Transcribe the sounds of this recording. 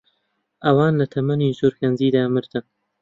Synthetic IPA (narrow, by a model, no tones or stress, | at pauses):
ʔɐwaːnlɐt̪ʰɐmɐniːzuɾkɐnziːd̪aːmɨɾt̪ʰɨn